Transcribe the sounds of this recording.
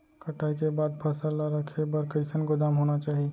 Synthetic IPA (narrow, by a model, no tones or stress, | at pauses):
kəʈaːikebaːd̪̚pʰɐsalaɾəkʰebəɾkəɪsənɡʊd̪aːmɦoːnat͡ʃaːɦi